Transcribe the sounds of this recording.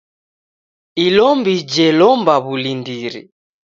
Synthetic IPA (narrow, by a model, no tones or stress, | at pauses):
ilɔmbid͡ʒɛlɔmbaβulindiɾḭ